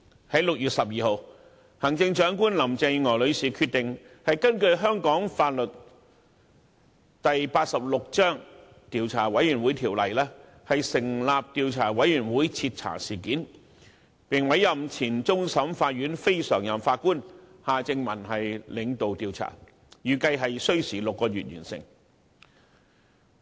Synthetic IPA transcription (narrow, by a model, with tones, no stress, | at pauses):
hɐ˨˥jlʊ˨k̚jyː˨t̚sɐ˨p̚jiː˨ho˨˧w | hɐ˨˩ŋt͡sɪ˧ŋt͡ʃœː˨˥ŋkuː˥nlɐ˨˩mt͡sɪ˧jŋɔː˨˩lɵ˨˧ɥsiː˨kʰyː˧t̪̚ɪ˨ŋ | hɐ˨jkɐ˥nkɵ˧ɥɦœː˥ŋkɔː˨˥ŋfaː˧t̚lɵ˨t̚ | t̪ɐ˨jpaː˧t̚sɐ˨p̚lʊ˨k̚t͡ʃœː˥ŋ | t̪iː˨˧wt͡sʰa̰ː˨˩wɐ˨˥jjyː˨˩nwuː˨˥jt̪ʰiː˨˩wlɐ˨˩jlɛː˥ | hɐ˨jsɪ˨˩ŋlaː˨p̚t̪iː˧wt͡sʰaː˨˩wɐ˨˥jjyː˨˩nwuː˨˥jt͡sʰi˧t̚t͡sʰa̰ː˨˩siː˨˩kiː˨˥n | pɪ˨˩ŋwɐ˨˧˥jɐ˨mt͡sʰiː˨˩nt͡sʊ˥ŋsɐ˨˥mfaː˧t̚ɥyː˨˥nfe˥jsœ̰ː˨˩ŋjɐ˨mfaː˧t̚kuː˥nhaː˨t͡sɪ˧ŋmɐ˨˩nhɐ˨jlɪ˨˧˥ŋt̪o˨wt̪iː˨˧wt͡sʰa̰ː˨˩ | jyː˨kɐ˧jɦɐ˨jsɵ˥ɥsiː˨˩lʊ˨kːɔː˧ɥyː˨t̚ɥy̰ː˨˩nsɪ̰˨ŋ